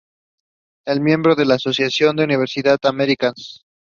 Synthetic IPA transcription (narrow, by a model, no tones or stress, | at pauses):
elmjẽ̞mbɾo̞ðe̞laːso̞sjasjo̞nd̪euniβ̞e̞ɾsiðaðameɾikans